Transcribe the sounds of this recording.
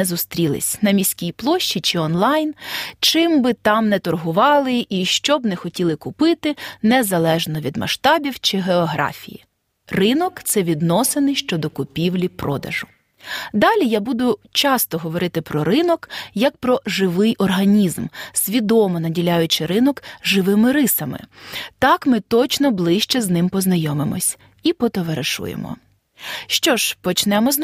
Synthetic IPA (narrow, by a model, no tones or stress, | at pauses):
ɛzʊst̪ɾʲilˠɪ̰sʲnɐmʲisʲkʲijplˠɔʃt͡ʃit͡ʃɪɔnlˠɑjnt͡ʃɪmbɪt̪ɑmnɛt̪ɔrɦʊʋɑlˠɪʔiʃt͡ʃɔbnɛxɔtʲilˠɪkʊpɪt̪ɪnɛzɐlˠɛʒnɔʋʲid̪mɐ̰ʃt̪ɑbʲiwt͡ʃɪɦeɔɦɾɑ̰fʲḭjḭ | rɪnɔkt̪sɛʋʲid̪nɔsɪnɪjʃt͡ʃɔd̪ɔkʊpʲiwlʲipɾɔ̰d̪ɐ̰ʒʊ | d̪ɑlʲijabud̪ʊt͡ʃɑst̪ɔɦɔʋɔɾɪt̪ɪpɾɔɾɪnɔkjɐk̚pɾɔʒɪʋɪjʔɔrɦɐnʲizmsʲʋʲid̪ɔmɔnɐdʲilʲajʊt͡ʃɪɾɪnɔkʒɪʋɪmɪɾɪsɐmɪ̰t̪ɑkmɪt̪ɔt͡ʃnɔblˠɪʃt͡ʃɛznɪmpɔznɐjɔmɪmɔ̰sʲ | ipɔt̪ɔʋeɾeʃṵjḛmɔ̰ | ʃt͡ʃɔʒpɔt͡ʃnɛmɔz